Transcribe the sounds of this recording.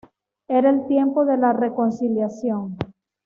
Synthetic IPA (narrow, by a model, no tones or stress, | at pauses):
e̞ɾaelt̪je̞mpo̞ðe̞lare̞ko̞nsiljasjo̞ŋ